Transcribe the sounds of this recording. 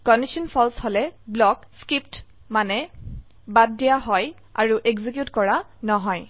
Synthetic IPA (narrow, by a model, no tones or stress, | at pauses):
kɔndisɔnpʰɔlshɔlɛblɔkskipt | manɛ | baddijaɦɔj | a̰ɹuʔeɡzikjutkɔɹanɔɦɔj